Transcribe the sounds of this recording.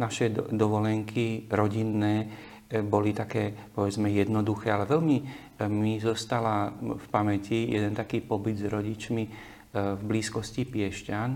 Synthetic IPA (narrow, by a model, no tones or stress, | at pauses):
naʃɛd̪ɔʋɔlɛŋkʰiɾɔɟinːɛː | bɔlit̪akɛːpɔʋɛd͡zmɛjɛd̪nɔd̪uxɛːalɛʋɛlmi | mizɔst̪alafpamɛcijɛ̰d̪ɛnt̪akiːpɔbid̪zɾɔɟit͡ʃmi | vbliːskɔscipɪɛʃcan